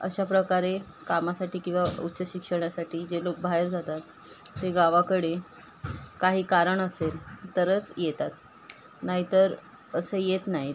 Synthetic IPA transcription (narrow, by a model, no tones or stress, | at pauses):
ə̰ɕapɾəkaɾe | kamasaʈiːkĩw̃ʋaṵt̪ːɕəɕikʂəɳ̃jasaʈiːd͡ʑelok̚bʱaɦeɾd͡zat̪at̪ː | eɡaʋakəɽe | kaɦiːkaɾəɳəselt̪əɾət͡sjet̪at̪ | naɦit̪əɾ | əsəjet̪naɦi